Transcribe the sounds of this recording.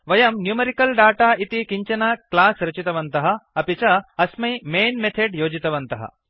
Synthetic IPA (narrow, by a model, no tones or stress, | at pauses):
ʋɐjɐmnjuːmɐɾikɐlɖaːʈaːʔit̪ikiɲt͡ʃɐnaklaːsɾɐt͡ʃit̪ɐʋɐnt̪ɐɦɐɐpit͡ʃɐɐsmɐjmeːnmet̪ʰeɖjoːd͡ʒit̪ɐʋɐnt̪ɐɦɐ̰